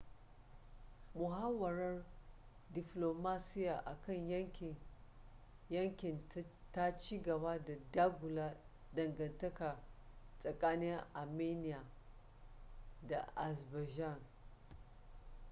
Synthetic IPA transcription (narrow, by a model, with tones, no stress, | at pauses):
mʊ˨ɦa˦wɐ˨ɾɐ˦r | dɪ˨ploː˨maː˦sɪ˦jaː˨ʔa˨kɐ˦˨ɲjɐ˦ŋkʲɪ˨ | jɐ˦ŋkʲɪ˨nta˦t͡ʃiː˦ɡɐ˨baː˦da˨daː˦ɡʷʊ˨laː˦ | dɐ˨ŋɡɐ˨ntɐ˦ka˨sʼɐ˨kʼaː˦nɪ˦ŋʔa˨meː˦nɪ˦jaː˨ | da˨ʔa˨sba˨ʒa˦˨n